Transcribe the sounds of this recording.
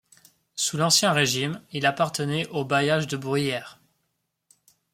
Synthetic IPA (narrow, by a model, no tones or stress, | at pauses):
sulɑ̃sjɛ̃ʁeʒimilapaʁt̪ənɛʔobajaʒd̪əbʁijɛːʁ